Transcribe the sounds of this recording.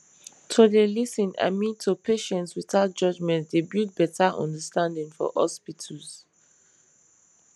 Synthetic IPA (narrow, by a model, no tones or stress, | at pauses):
tʰodelisĩna̰mĩtʰːupʰeʃɛ̃ntswiθaʊt̚d͡ʒʌd͡ʒmɛ̃ntdebjut̚bɛtʰaʔɔ̰̃ndəstãndĩŋfɔ̰hɔ̰spitʰɔz̥